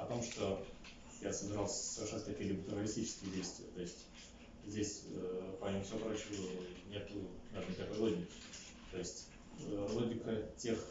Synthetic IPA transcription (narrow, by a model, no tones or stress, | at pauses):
ɐt̪o̞mʂt̪o̞ | jasəbʲɪɾɑlˠsʲə̥səvʲɪrʂɛnːət̪ɐkʲijəlʲibət̪ʊɾɐlʲɪsʲtʲit͡ɕɪ̥skʲɪjədʲejst̪vʲɪə̰t̪o̞ɪsʲtʲ | zʲdʲesʲpɐimʊfsʲopɾot͡ɕuənʲe̞t̪ʊnɐvʲeɾnəɪk̪ʲɐkojlˠodʲnʲɪkʲ | t̪o̞ɪsʲtʲ | lˠo̞ɡʲɪkətʲe̞x